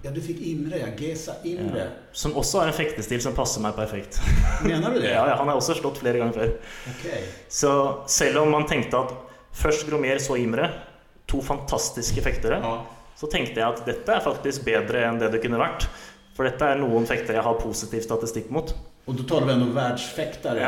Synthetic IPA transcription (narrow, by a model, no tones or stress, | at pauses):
jɑːd̪ʉfɪkːɪnɾəjɑɡesaʔɪmɾə̰ | sɔmɔsːɔæɾɛnfɛkt̪əst̪iːlsɔmpʰɑsːəɾmæɪpʰæɾfɛkt̪mmeːnəɖʉd̪ɛjɑːjɑːhɑnhɑɾɔsːɔfʂʈɔt̪ːfleːɾəɡɑŋːəɾføːɾɔkʰɛsɔsɛlːɔmːɑnt̪ʰɛŋkt̪əɑt̪ | fœʂʈɡɾomeːɾsɔɪmɾə | t̪ʰuːfɑnt̪ʰɑst̪ɪskəfɛkt̪əɾəsɔt̪ʰɛŋkt̪əjæɪɑt̪d̪ɛt̪ːəæɾfɑkt̪ɪsk̚beːd̪ɾəɛnd̪ɛd̪ɛkʉnːəʋæʈː | fɔɖɛt̪ːəæɾɳuːənfɛkt̪əɾəjæɪhɑpʰusɪt̪iːʋst̪ɑt̪ɪst̪ɪkːmuːt̪ | ɔd̪ɔt̪ʰɑːləʋɪɛnd̪ɔʋæɖʂfɛkt̪əɾ